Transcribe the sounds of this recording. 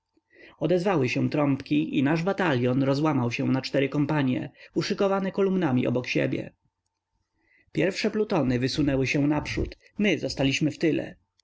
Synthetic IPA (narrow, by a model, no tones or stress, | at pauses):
ɔd̪ɛzvawɘɕɛ̃t̪ɾɔmpkʲiʔinaʐbat̪alʲjɔnɾɔzwamawɕɛw̃nat͡ʂt̪ɛɾɘkɔmpaɲjɛ̰uʂɘkɔvanɛkɔlumnamʲiʔɔ̰bɔkɕḛbʲjɛ̰ | pʲjɛɾfʂɛplut̪ɔnɘvɘsunɛwɘɕɛ̃napʂṵt̪ | mɘzɔst̪alʲiɕmɘft̪ɘlɛ̰